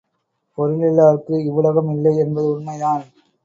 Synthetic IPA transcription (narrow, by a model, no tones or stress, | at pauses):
pɔɾɪlɪlːaːɾkːɯɪʋɯlɐɣɐmɪlːɐɪɛnbɐðɯʊnmɐjaːl